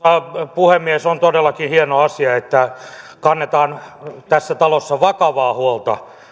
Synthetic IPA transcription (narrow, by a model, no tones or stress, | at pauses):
ɑpuhemːiesont̪odelːɑkinhienoɑsiɑet̪ːækɑnːet̪ɑːnt̪æsːæt̪ɑlosːɑʋɑkɑʋɑːhuolt̪ɑ̰